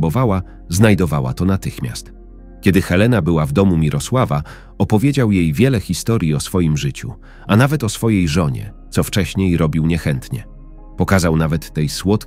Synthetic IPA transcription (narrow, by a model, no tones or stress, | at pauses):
bɔvawa | znajd̪ɔvawa̰t̪ɔnat̪ɘxmʲja̰st̪ | kʲɛd̪ɘxɛlɛnabɘwavd̪ɔmumʲiɾʔɔswava | ɔpɔvʲjed͡ʑawjejvʲjɛlɛxʲist̪ɔɾʲjiɔsfɔjimʐɘt͡ɕṵ | anavɛt̪ɔsfɔjejʐɔɲɛ̰t̪sɔft͡ʂɛɕɲejɾɔbʲiwɲɛxɛnt̪ɲɛ̰ | pɔkazawnavɛt̪ːɛjswɔt̪